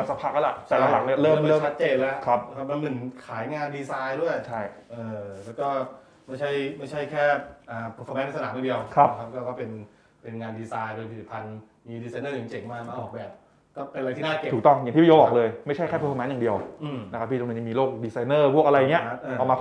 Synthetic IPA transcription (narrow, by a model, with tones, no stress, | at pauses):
a˧˩sa˧˥pʰaː˦˥˩k̚ʔlːlɛ˨˩t̪ɛː˨˩la˨˦ŋla˨˦k̚ni˥˩ɐɾɤː˥˩mɤː˥˩˨a˦˥t̪̚t͡ɕeː˧nlɛ˦˥kʰɾa˦˥p̚ʰa˦˥ma˧nnɯ˨˩ŋkʰaː˩˦jŋaː˧ndiː˧saː˧jdu˥˩əjt͡ɕʰa˥˩jʔɤː˨˧lɛː˦˥wkɔː˥˩ | ma˥˩jt͡ɕʰa˥˩jma˥˩jt͡ɕʰa˥˩jkʰɛː˥˩ʔaː˨˩pʰːfʰɔ˧mɛː˧˦˥n˧˩sa˧naː˨˦ma˨˧ndi˧əwkʰɾa˦˥pkʰa˦˥p̚kɔː˥˩kɔː˥˩pe˧n | pe˧nŋaː˧ndiː˧saː˧jpe˧np̪ʰpʰa˧n | miː˧diː˧sa˧jnɤː˥˩ja˨˩ŋt͡ɕe˨˩ŋmaː˧˩a˥˩ʔɔː˨˩k̚bɛː˨˩p̚ | kɔː˥˩a˧a˧jt̪ʰiː˥˩naː˥˩˨uː˨˩kt̪ɔ˥˩ŋjŋt̪ʰiː˥˩˥oː˧˥ʔɔː˨˩k̚lɤː˧jma˥˩jt͡ɕʰa˥˩jkʰɛː˥˩pʰːfɔː˧mɛ˦˥njaː˨˩di˧əwna˦˥kʰa˦˥pʰːi˥˩˧ŋn˧˩t͡ɕa˧miː˧loː˥˩k̚diː˧sa˧jnɤː˥˩pʰu˥˩k̚a˧a˧jːŋni˦˥ɐʔʔːmaː˧